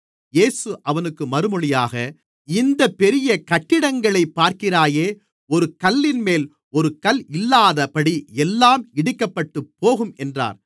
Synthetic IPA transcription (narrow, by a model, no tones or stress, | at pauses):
jeːsɯʔɐʋɐnɯkːɯmɐɾɯmɔɭɪjaːɣɐ | ɪnd̪ɐpɛɾɪjɐkɐʈːɪɽɐŋɡɐɭɐɪpːaːɾkɪɾaːjeː | ɔɾɯkɐlːɪnmeːl | ɔɾɯkɐlɪlːaːðɐpɐɽiɛlːaːmɪɽɪkːɐpːɐʈːɯpːoːɣɯmɛndra̰ːɾ